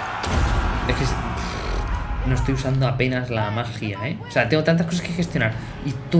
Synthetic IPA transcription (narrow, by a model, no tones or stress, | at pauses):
eskes | nost̪ojusand̪oape̞nazlamaɾxiaeoseat̪eŋɡot̪ant̪̬askos̬aske̞xe̞st̪jo̞naɾ | it̪u